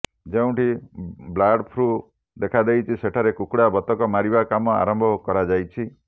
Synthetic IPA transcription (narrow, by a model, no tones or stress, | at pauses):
d͡ʒeũʈiblaɽpʰɾu | d̪ekʰad̪ejt͡ʃʰiseʈʰaɾekukɽabɔt̪ɔkɔmaɾibakamɔa̰ɾɔmbʱɔkɔɾad͡ʒajt͡ʃʰi